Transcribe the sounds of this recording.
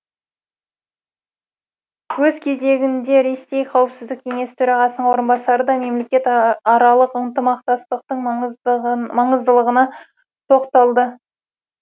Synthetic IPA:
wɵzkʲʰe̞ze̞ɡʲɪnd̪e̞ɾe̞se̞jqʰɑwəpsɪzd̪ɪk̚kʲʰe̞ŋe̞st̪ʰɵɾɑʁɑsənəɴwo̞ɾənbɑsɑɾəd̪ɑme̞mle̞kʲet̪ːɑɾɑlˠəqənt̪əmɑqt̪ɑst̪əq̚t̪əɴ | mɑɴəzd̪əlˠəʁənɑ | t̪ʰo̞qt̪ɑlˠd̪ə

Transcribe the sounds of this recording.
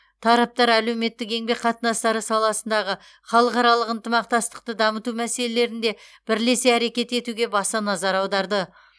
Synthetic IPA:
t̪ʰɑɾɑp̚t̪ɑɾæle̞wme̞t̪ːɪke̞ŋbe̞qʰɑt̪ənɑst̪ɑɾəsɑlˠɑsənd̪ɑʁə | χɑlˠəqɑɾɑlˠəqənt̪əmɑq̚t̪ɑst̪ə̥q̚t̪əd̪ɑmət̪umæse̞lele̞ɾɪnd̪e̞b̥ɪɾle̞seæɾe̞kʲe̞t̪e̞t̪uɡʲe̞bɑst̪ɑnɑzɑɾɑwd̪ɑɾd̪ə

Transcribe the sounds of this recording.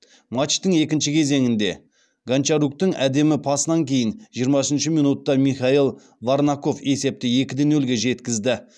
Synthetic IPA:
mɑt̪ʃt̪əŋe̞kʲɪnʃɪkʲʰe̞ze̞ŋɪnd̪e̞̰ | ɡant͡ʃɑɾuk̚t̪ɪŋæd̪e̞mɪpʰɑsənɑŋkʲʰe̞jɪnʒijəɾmɑʏsɪnʃɪmijnut̪ːɑmiχɑilˠ | vaɾnɑko̞fe̞se̞p̚t̪ɪje̞kʲɪd̪e̞nɵlɡʲe̞ʒe̞t̪kʲɪzd̪ɪ

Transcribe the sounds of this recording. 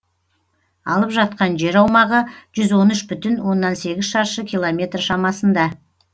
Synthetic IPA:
ɑlˠəpʒɑt̪̚qɑnʒe̞ɾɑwmɑʁəʒ̥ʏzwo̞nʏʃbʏt̪ɪnwo̞nːɑnse̞ɡʲɪzʃɑɾʃəkʲijlˠomʲe̞t̪rʃɑmɑsənd̪ɑ

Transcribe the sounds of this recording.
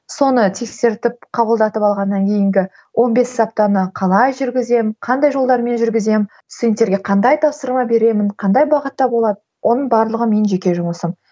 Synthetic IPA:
so̞nət̪ʰe̞kse̞ɾt̪ɪp̚qʰɑbəlˠd̪ɑt̪əpɑlˠʁɑnːɑŋkʲʰe̞jɪŋɡʲɪ | wʔo̞nbe̞sɑp̚t̪ɑnəqʰɑlˠɑjʒʏɾɡʲɪze̞mqʰɑnd̪ɑjʒo̞lˠd̪ɑɾme̞nʒʏɾɡʲɪze̞m | sɪj̪nt̪e̞ɾɡʲe̞qʰɑnd̪ɑjt̪ʰɑpsəɾmɑbe̞ɾe̞mɪɴqʰɑnd̪ɑjbɑʁət̪ːɑbo̞lˠɑd̪əwʔo̞nəɴbɑɾlˠəʁəme̞nʒe̞kʲe̞ʒʊməsəm

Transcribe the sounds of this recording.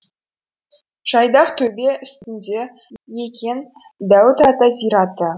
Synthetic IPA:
ʒ̥ɑjd̪ɑqt̪ʰɵbe̞ʔʏst̪ɪnd̪e̞ | jekʲʰen | d̪æwt̪ɑt̪ɑzijɾɑt̪ə

